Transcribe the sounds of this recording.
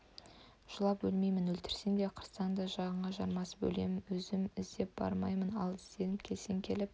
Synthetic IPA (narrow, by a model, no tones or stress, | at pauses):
ʒ̥ʊlˠɑp̚bɵlme̞jmɪnwɵlt̪ɪ̥ɾsend̪eqʰəɾsɑnd̪ɑʒɑʁəɴʁɑʒɑɾmɑsə̥bɵ̰le̞̰mɪnwɵzɪmɪzd̪e̞p̚b̥ɑ̰ɾmɑjmənɑ̰lˠɪst̪e̞nɪpkʲʰe̞lseŋkʲʰe̞lɪp̚